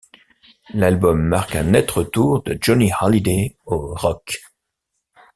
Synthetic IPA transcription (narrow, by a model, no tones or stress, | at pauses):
lalbɔmːaʁkɛ̃nɛt̪χət̪uʁd̪əd͡ʒɔnihɑlid̪eoʁɔk